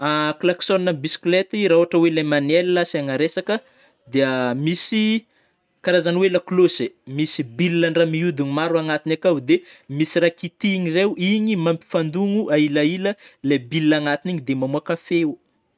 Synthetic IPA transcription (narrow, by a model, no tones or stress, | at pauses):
aklaksonːabisi̥klet̪iɾauɦaʈ͡ʂəwelemanɛliːasaŋaɾesakə | d̪eəmisi | kaɾazanwelaklosemisibilːaɳɖ͡ʐamiud̪iŋmaɾuaŋat̪inakawd̪emisirakit̪iɲizewʔiɲimampi̥fand̪uŋuʔailailəlebilːaŋat̪iniɲid̪emamuakafeu